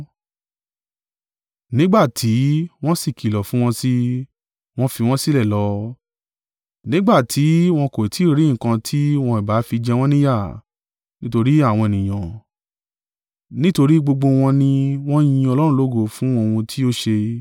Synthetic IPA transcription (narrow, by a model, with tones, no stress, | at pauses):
nĩ˦ɡ͡ba˦˨tʰi˨˦w̃ɔ̃˦si˦˨ki˨lɔ˨fũ˨˦w̃ɔ̃˧si˦ | w̃ɔ̃˧fi˧w̃ɔ̃˦si˦lɛ˦˨lɔ˨˧˦ | nĩ˦ɡ͡ba˦˨tʰi˨˦w̃ɔ̃˧ko˨ti˨˦˨ɾĩ˨˦˨kã˧tʰi˦w̃ɔ̃˧i˨ba˨˦fi˧d͡ʒɛ˧w̃ɔ̃˦nĩ˦ja˦˨ | nĩ˦to˧ɾi˦a˦˨w̃ɔ̃˧e˨nĩ˨j̃ã˨ | nĩ˦to˧ɾi˦ɡ͡bo˧ɡ͡bo˧w̃ɔ̃˧nĩ˧w̃ɔ̃˦j̃ĩ˧˦ɔ˧lɔ˦ɾũ˧lo˦ɡo˧˨fũ˦o˦˧wũ˧tʰi˦o˦ʃe˧